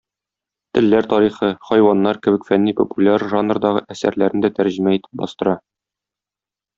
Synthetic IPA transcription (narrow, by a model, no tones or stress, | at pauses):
t̪ɘ̆lːæɾt̪ɒɾiχɤχɒjwɑnːɑɾkɘ̆bɘ̆kfænːipopulʲaɾʒanrd̪ɑʁɤʔæsæ̰ɾlæɾnɘd̪æt̪æɾʑɘ̆mæit̪ʰɘ̥p̚bɒ̰st̪ɤ̆ɾɑ